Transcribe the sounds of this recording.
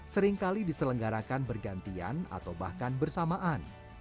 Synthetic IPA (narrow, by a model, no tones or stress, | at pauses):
səɾɪŋkalidisələŋɡaɾakanbərɡant̪ia̰na̰t̪awba̰hkanbərsamaʔan